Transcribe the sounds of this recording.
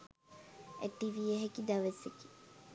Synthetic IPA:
ḛʈːiʋieɦekid̪ɐʋeseki̥

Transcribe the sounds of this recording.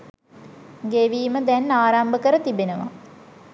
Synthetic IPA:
ɡeʋiːməd̪ɛnːaːɾambəkəɾət̪ibenəʋa̰

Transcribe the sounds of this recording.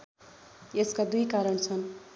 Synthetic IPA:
eskad̪ujkaɾʌɳt͡sʰʌn

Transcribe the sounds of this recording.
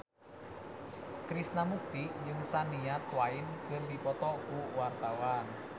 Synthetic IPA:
kɾisnamuk̚t̪id͡ʒɨŋsaniat̪waɪnkərdipɔt̪ɔkuwart̪awan

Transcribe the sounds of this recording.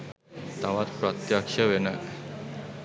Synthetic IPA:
t̪aʋat̪pɾət̪jakʂəʋena

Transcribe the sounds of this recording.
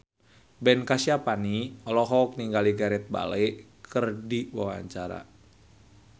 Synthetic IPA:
bɛnkasiapaniɔlɔɦɔk̚niŋɡaliɡaɾɛt̪̚ba̰lej | kʰərdiwa̰wa̰ɲt͡ʃaɾa̰

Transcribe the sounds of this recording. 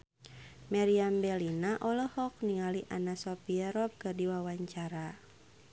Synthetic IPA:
maɾiambɛlinaʔɔlɔhɔk̚niŋaliʔanasɔpiaɾɔp̚kɨrdiwawaɲt͡ʃaɾa

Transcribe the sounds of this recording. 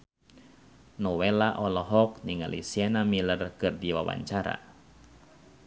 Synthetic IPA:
nɔwɛlaʔɔlɔɦɔk̚niŋa̰lʔḭsianamilərkɨrdiwa̰wa̰ɲt͡ʃaɾa̰

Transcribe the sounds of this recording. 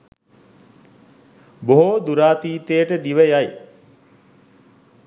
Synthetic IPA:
boɦod̪uɾaːt̪iːt̪ejəʈəd̪iʋəjaj

